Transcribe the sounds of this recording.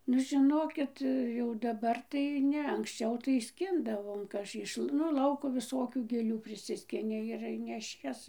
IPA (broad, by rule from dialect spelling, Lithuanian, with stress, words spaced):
nʊ ʒʲɪˈnoːkʲɪt jɛʊ dɐˈbɐr tɐɪ ˈnʲɛ ɐŋksʲˈt͡ʃʲɛʊ tɐɪ ˈsʲkʲɪndɐʋoːm ˈɪʃ nʊ ˈlˠɐʊkoː ʋʲɪˈsoːkʲuː ɡʲeːˈlʲuː pʲrʲɪˈsʲɪsʲkʲɪnʲɪ ɪr nʲɛˈʃʲiɛs